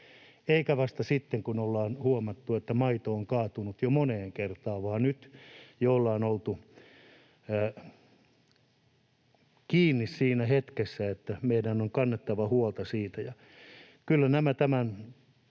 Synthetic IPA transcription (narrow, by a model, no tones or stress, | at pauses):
eikæʋɑst̪ɑsit̪ːeŋkunolːɑːnhuomɑt̪ːuet̪ːæmɑit̪oːŋkɑːt̪unut̪jomoneːŋkert̪ɑːʋɑːnyt̪joolːɑːnolt̪u | kiːnːissiːnæhet̪kesːæet̪ːæmeidænːoŋkɑnːet̪ːɑʋɑhuolt̪ɑsiːt̪æjɑ | kylːænæmæt̪æmæn